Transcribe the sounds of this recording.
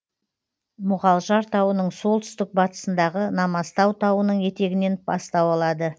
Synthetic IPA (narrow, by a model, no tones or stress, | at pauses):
mʊʁɑlˠʒɑɾt̪ʰɑwənəɴso̞lˠt̪ʰʏ̥st̪ɪk̚bɑt̪ə̥sənd̪ɑʁənɑmɑst̪ɑwt̪ʰɑwənəɴje̞t̪e̞ɡʲɪne̞nb̥ɑst̪ɑwɑlˠɑd̪ə